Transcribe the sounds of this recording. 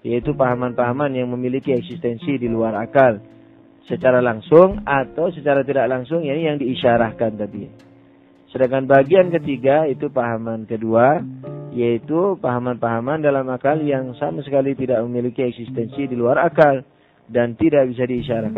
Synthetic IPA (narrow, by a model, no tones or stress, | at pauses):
jait̪upaɦamanpaɦamanjaŋməmilikiɛksist̪ɛnsidiluaɾakal | sət͡ʃaɾalaŋsʊŋat̪awsət͡ʃaɾat̪idaʔlaŋsʊŋjanijaŋdiːʃaɾahkant̪adi | sədaŋkanbaɡiankət̪iɡait̪upaɦamankəduajait̪upaɦamanpaɦamandalamakaljaŋsamasəkalit̪idaʔ̚məmilikiɛksist̪ɛnsidiluaɾakal | dant̪idak̚bis̬adiːʃaɾahkan